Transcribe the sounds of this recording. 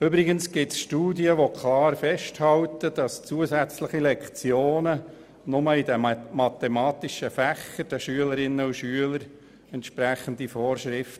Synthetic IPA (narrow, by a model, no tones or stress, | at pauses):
ʏbɾɪɡənsɡ̥ɪtsʃtuːdiəʋokʰlɑːɾfɛʃthɑlt̪əd̥ɑst͡suəzæt͡sləχilɛkt͡sjoːnə | nʊməidɛmmɑt̪ɛmɑːt̪iʃəfæxːəɾd̥ɛʃyələɾɪnːəuʃyələɾ | ɛntʃpɾæχən̩d̥̪ifɔːrʃrɪft